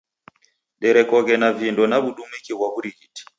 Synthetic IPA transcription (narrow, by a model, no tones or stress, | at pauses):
ɗɛɾɛkɔkɛnavindɔnaβuɗumikiβwaβuɾiɣiti̥